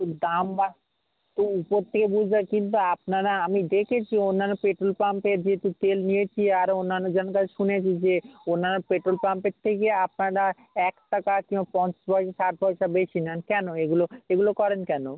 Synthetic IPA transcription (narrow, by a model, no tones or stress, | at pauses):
d̪amba | t̪uupoɾt̪ʰekebud͡ʑʱbakint̪̬uapnaɾaamid̪ekʰet͡ɕʰionːanːopeʈɾolpampeɾd͡ʑeɦet̪ut̪elnijet͡ɕʰiaɾonːanːod͡ʑenokat͡ɕʰeʃunet͡ɕʰid͡ʑeonːanːopeʈɾolpampeɾt̪ʰekeap̚naɾa | ɛkʈakakimbapɔ̃nt͡ɕḁʃbʱɔjʃaʃaʈ̚bʱɔjʃabeʃinɛnkɛnoeɡuloeɡulokɔɾenkɛno